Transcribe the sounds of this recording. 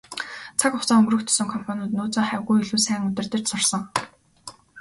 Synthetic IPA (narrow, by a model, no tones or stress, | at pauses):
t͡sʰakʊχt͡saːŋɵmrɵ̆kt̪ʰɵ̥sɵ̆ŋkʰɔmpʰɔnʲʊːt̪nʊːt͡sɔːŋχæwɣujɵɮuːsæːŋɵt̪ɪ̆rt̪ɘ̆r̥t͡ɕsʊrsɞ̆ŋ